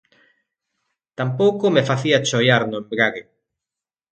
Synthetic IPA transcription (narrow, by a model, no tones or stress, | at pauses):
t̪ampowkʊmefaθiat͡ʃojaɾnʊembɾaɣe